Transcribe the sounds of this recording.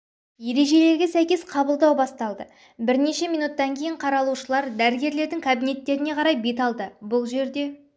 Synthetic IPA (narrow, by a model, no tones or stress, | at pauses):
je̞ɾe̞ʒe̞le̞ɾɡʲe̞sæjkʲe̞sqʰɑbəlˠd̪ɑwbɑst̪ɑlˠd̪ə | bɪɾne̞ʃe̞mijnut̪ːɑŋkʲʰe̞jɪɴqʰɑɾɑlˠuʃəlˠɑɾd̪æɾɪɡʲe̞ɾle̞ɾd̪ɪŋkʰabine̞t̪ːe̞ɾɪne̞qʰɑɾɑjbe̞t̪ɑlˠd̪əbʊlˠʒe̞ɾd̪e̞